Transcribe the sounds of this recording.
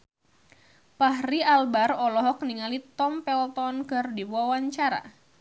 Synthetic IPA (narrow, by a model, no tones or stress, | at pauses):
pahɾialbarɔlɔɦɔkniŋalit̪ɔmpɛlt̪ɔnkɨrdiwuawaɲt͡ʃaɾa̰